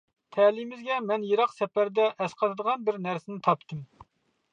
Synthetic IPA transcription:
t̪ʰɛlimɪzɡʲɛmɛnjeɾɑqsɛpæɾd̪ɛʔɛsqʰɑt̪ɨd̪əʁɑnbɪɾnæɾsɪnɪt̪ʰɑp̚t̪ʰɨm

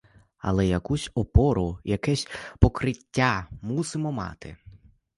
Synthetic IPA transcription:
ɐ̰lˠɛjɐkusʲɔpɔɾʊjɐkɛsʲpɔkɾɪtʲːamusɪmɔmɑ̰t̪ɪ̰

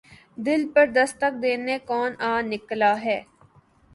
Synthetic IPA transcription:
d̪ɪlpəɾd̪əst̪ək̚d̪eːnekɔːnãːnɪklaːɦɛː

